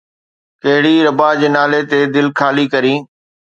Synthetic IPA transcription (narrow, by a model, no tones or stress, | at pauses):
kɐɦɪɽiɾɐbad͡ʑeːnaːlet̪eːd̪ɪlkʰaːlikɐɾĩː